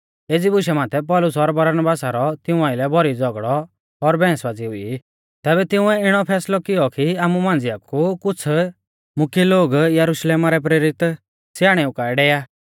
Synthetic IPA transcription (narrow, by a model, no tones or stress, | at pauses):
eːd͡zibʊʃɛmaːt̪ʰɛpɔːlʊsɔɾbɐɾnbaːsaɾɔt̪ɪũaːɪlɛbʱɔɾid͡zɔɡɭɔ | ɔɾbɛ̃ːsʋad͡ziʊi | t̪ɛːbɛt̪ɪ̃ʊ̃ɛɪɽ̃ɔpʰɛːslɔkɪjɔkiaːmumãːnd͡zɪjakukʊt͡sʰ | mʊkʰjeloːɡjɐɾʊʃleːmaɾɛp̬ɾeːɾɪt̪ | sjaːɽ̃eukaːɛɖɛːjaː